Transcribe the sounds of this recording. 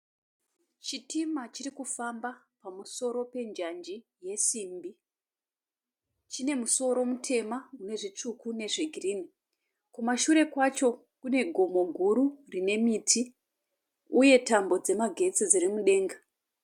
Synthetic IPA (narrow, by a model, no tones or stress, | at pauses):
t͡ʃitimat͡ʃiɾikufamba | pamuso̞ɾo̞pe̞nd͡ʒand͡ʒi | je̞siːmbi | t͡ʃine̞muso̞ɾo̞mutʰe̞mamune̞ʐit͡ʂukune̞ʐiɡʱiriːni | kumaʃuɾe̞kwat͡ʃo̞ | kune̞ɡʱo̞mo̞ɡʱuɾurine̞mitʰi | uje̞tambo̞d͡ze̞maɡʱe̞t͡sid͡zirimuɗe̞ːŋɡa